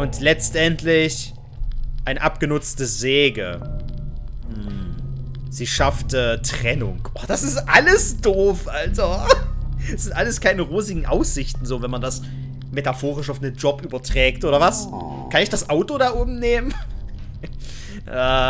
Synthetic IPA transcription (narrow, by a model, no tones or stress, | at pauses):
ʔʊntlɛt͡stʔɛntʰlɪç | ʔaɪnəʔapɡ̥ənʊt͡stəzeːɡə | hm̩ | z̥iːʃaftətʁ̥ɛnʊŋʔoːd̥asɪstʔaləsd̥oːfʔalzo | ɛsz̥ɪntʔaləskʰaɪnəʁoːzɪɡŋ̩ʔa̰ʊsz̥ɪçtn̩zoːvɛnmandas | metafoːʁɪʃaʊfnənd͡ʒɔpʔyːbɐtʁ̥ɛːktʔoːɾɐvas | kʰanɪçd̥asʔaʊtodaʔoːbm̩neːmən | ʔaː